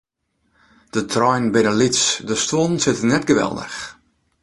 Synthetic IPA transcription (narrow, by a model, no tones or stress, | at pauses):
d̥ətʰrɔjnbɪnəlitsdəstwɔnsɪtənɛtɡəʋɛ̰lˠdə̰x